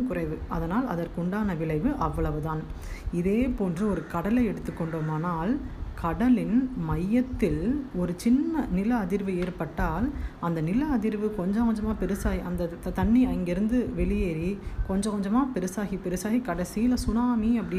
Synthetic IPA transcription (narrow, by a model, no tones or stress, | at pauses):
kʊrɐɪʋɯɐðɐnaːlɐ̰ðɐɾkʊɳɖaːnɐʋɪɭɐɪʋɯʔɐʋːɐɭɐʋɯðãːn | ɪðeːpoːndrɯɔɾɯkɐɽɐlɐɪɛɽɯt̪ːɯkːɔɳɖoːmaːnaːlkʰɐɽɐlɪnmɐjːɐt̪ːɪlɔɾɯt͡ʃɪnːɐnɪlɐːðɪɾʋɯeːɾpɐʈːaːlɐnd̪ɐnɪlɐɐðɪɾʋɯkɔɲd͡ʒɐ̃kɔɲd͡ʒɐmaːpɛɾɯsaːɣiɐnd̪ɐt̪ɐɳːiɐŋɡɐɪɾɯnd̪ɯʋɛɭɪjeːɾikɔɲd͡ʒɐ̃kɔɲd͡ʒɐmaːpɛɾɯsaːɣipɛɾɯsaːɣikɐɽɐsɪjlɐsʊnaːmiɐpːɐɽɪ